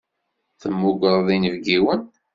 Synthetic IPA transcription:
θəmːuɡəɾˤðˤinəvɡiwən

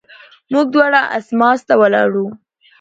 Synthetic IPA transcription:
muɡ̚d̪wɑɽaʔa̰smɑst̪awəlɑ̰ɽu

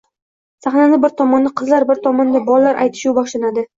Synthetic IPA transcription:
saχnanɪbɪɾt̪ʰɒmɒnːɪqʰɨzlaɾbɪɾt̪ʰɒmɒnd̪abɒllːaɾʔa̰jt̪ʰɪ̥ʃuwbɒʃlanad̪ɪ

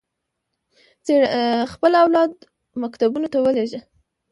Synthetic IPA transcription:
t͡sexpəlawlɑd̪ | makt̪abunot̪awəleʒə

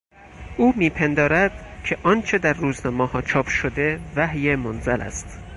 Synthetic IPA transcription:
ʔuːmiːpʰend̪ɒːɾæd̪̥cʰeʔɒːnt͡ʃʰe̞d̪æɾːuːznɒːmɒhɒːt͡ʃʰɒːpʰʃod̪e̞væhjemonzælʔæ̰st̪

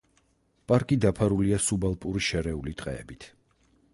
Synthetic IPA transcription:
pʼaɾkʼid̪apʰaɾuliasubalˠpʼuɾiʃɛɾɛulit̪ʼqʼɛ̰ɛ̰bit̪ʰ

